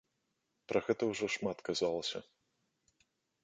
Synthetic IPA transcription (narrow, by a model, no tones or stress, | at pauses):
pɾʔɐɣɛt̪ɐwʐɔʂmat̪kazalˠɐsʲɐ